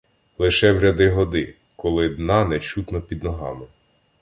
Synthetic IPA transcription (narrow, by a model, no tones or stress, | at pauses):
lˠɪʃɛwɾʲɐd̪ɪɦɔd̪ɪ | kɔlˠɪd̪nɑnɛt͡ʃut̪nɔpʲid̪nɔɦɑ̰mɪ